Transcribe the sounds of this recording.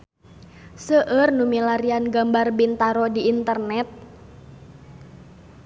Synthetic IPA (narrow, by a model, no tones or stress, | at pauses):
səʔərnumilaɾianɡambarbint̪aɾɔdiːnt̪ərnɛt̪̚